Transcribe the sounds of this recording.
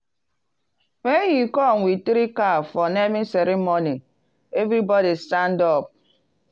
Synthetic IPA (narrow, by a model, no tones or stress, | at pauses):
mejikɔŋ̩ʷitiɾikafɔnemiseɾimoni | evɾibɔdistandɔp̚